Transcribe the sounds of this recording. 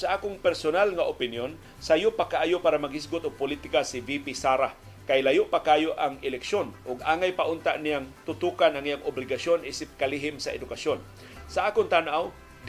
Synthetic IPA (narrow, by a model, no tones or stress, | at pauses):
saʔaːkʊŋpɛɾsonalŋaʔopɪnjon | sajʊpakaʔaːjʊpaːɾamaɡɪs̬ɡʊt̪ʊɡ̚pʊlit̪ɪkasɪbipisaɾa | kajlajʊʔpakaːjoʔaŋɪlɛkʃonʔʊɡ̚aːŋajpaʔʊnt̪aʔnɪjaŋt̪ʊt̪uːkanaŋijaŋʔʊblɪɡasjonʔisɪp̚kaliɦɪmsaʔɛ̰d̪ʊkasjon | saʔaːkʊŋt̪anʔaw | d̪